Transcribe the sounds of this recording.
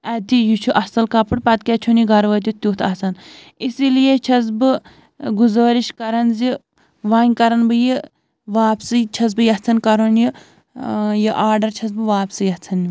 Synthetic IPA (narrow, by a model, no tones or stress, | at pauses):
ɛt̪ijut͡ʃʰuʔɐsɐlkɐpɨɽpɐt̪kʲɛt͡ʃʰuniɡɐɾʋɐt̪̬ʲit̪uːt̪ʰɐsɐn | isilijet͡ʃʰɐs̬bɨ | ɡuzɐːɾiʃkɐɾɐnzi | ʋaːnʲkɐɾɐnbɨji | ʋaːpsit͡ʃʰɐz̬bɨjɐt͡sʰɐnkɐɾonji | jiʔaːɾɖɐɾt͡ʃʰɐs̬bɨʋaːpsijɐt͡sʰɐni